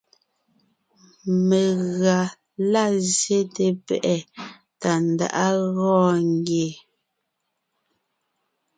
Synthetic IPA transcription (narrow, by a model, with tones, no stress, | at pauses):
me˨ɣa˨ | la˦˨zje˦te˨pɛ̰˦˨ʔɛ˨ | ta˨n˨da̰˨ʔa˦ɣɔː˦ŋɡje˨